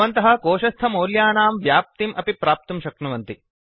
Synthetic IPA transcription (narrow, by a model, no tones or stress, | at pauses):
ɐnt̪ɐɦɐ̆koːʃɐst̪ʰɐmoːljaːnaːmʋjaːp̚t̪imʔɐpipɾaːp̚t̪umʃɐknɐʋɐnt̪i